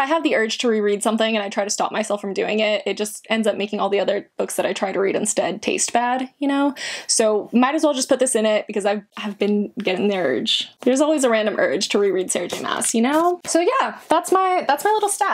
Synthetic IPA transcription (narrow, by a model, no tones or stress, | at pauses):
aɪəvðiɜ˞d̥ʒ̥tʰɨɹiɹid̥sʌ̃mθɪ̃ŋɨ̃naɪtʰɹ̥aɪɾɨstɑ̰p̚maɪsɛlˠfɹʌ̃mdʉ̰ɪ̰̃ŋɪt̚ɨt̚d̥ʒ̥ʌstɛ̃ndzʌp̚meɪkɪ̃ŋɔlˠðiʌðə˞b̥ʊksðɨɾaɪtʰɹ̥aɪɾɨɹḭɾɨ̃nstɛd̚tʰḛɪst̚b̥æd̥jɨñoʊsoʊmaɪɾɨzwɛlˠd͡ʒʌspʊt̪̚ðɪsɨ̃ñɪt̚b̥ɨkʰʌzaɪvaɪvbɨ̃nɡɛɾɪ̃ŋðiɜ̰˞d̥ʒ̥ðə˞zɔlˠwizəɹæ̃ndɨ̃mʔɜ̰˞d̥ʒ̥tʰɨɹiɹid̥sɛɹdeɪmæ̰sjɨnoʊsoʊjæðætsmaɪðætsmaɪlɪɾl̩ˠstʌ